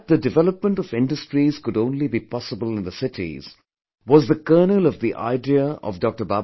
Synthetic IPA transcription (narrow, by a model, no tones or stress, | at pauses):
t̚ðədɨvɛləp̚mə̃ɳʈɔvɪ̃nɖəstɾiz̥kʊɖõʊ̃nlibipɔsəbəlɪ̃nðəsɪtʰḭz̥ | wɔzðəkɜːnəlɔvðiʔa̰ɪdiəʔɔ̰vdɔk̚ʈəba